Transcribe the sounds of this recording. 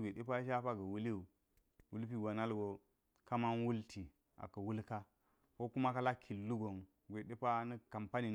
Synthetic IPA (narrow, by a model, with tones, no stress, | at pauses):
ɡʷe˨ɗe˦pa˦ʃa˦pa˦ɡɐ˨wu˦li˦u˨ | wu˦lp̬i˦˨ɡa˨na˦lɡo˨ | ka˦ma˦n˦wu˦lti˨ | a̰˨kɐ˨wu˦lka˦ | ko˦ku˦ma˦ka˦la˦kʰi˨lːu˦ɡo˨ŋ | ɡʷe˨ɗe˦pa˦nɐ˦ka˨mpa˦ni˨